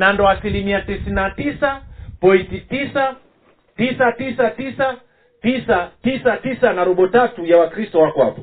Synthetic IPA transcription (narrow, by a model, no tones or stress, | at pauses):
nandɔasilimiatisinatisapɔintitisa | tisatisatisa | tisatisatisanaɾɔɓɔtatujawakɾistɔwakɔa̰pɔ̥